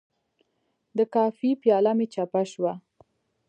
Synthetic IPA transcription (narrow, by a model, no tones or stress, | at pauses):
d̪əkɑfipjɑlamet͡ʃapaʃwa